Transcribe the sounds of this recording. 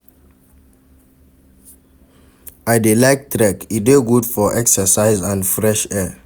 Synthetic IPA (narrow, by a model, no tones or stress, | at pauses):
ʔaɪdelaɪk̚tʰɾɛkideɡudfɔʔɛksəsaɪzãndfɹɛʃɛ